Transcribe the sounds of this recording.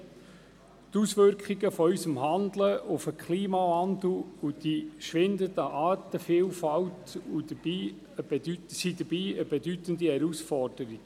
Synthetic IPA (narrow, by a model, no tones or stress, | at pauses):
t̪usʋʏɾkχiɡəfɔysəmɦɑnd̪ləʔʊfəkʰχliːmɑvɑnd̪l̩ud̥̪iʃʋɪnd̪ət̪əʔɑːt̪əfiːlfɑwtud̪əb̥iː | əb̥edytsid̪əb̥iːəbɛdyt̪ənd̪ihɛɾusfɔrd̥əɾiɡ̥